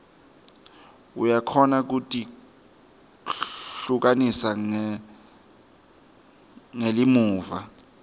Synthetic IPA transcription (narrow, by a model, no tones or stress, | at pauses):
ṵjakʰɔnak̬utʼi | ɬuk̬anisa | ŋelimuːva